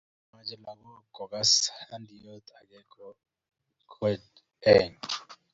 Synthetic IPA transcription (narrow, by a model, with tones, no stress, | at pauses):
ma˦nd͡ʒʱɛ˨la˨k̬ɔ˦ɡ̥ʱɔ˨k̬a˦sa˦ndʱʼi˨jɔ˦t̪ʰʼa˨k̬ɛ˦kɔ | kʰɛ˨d | ɛŋ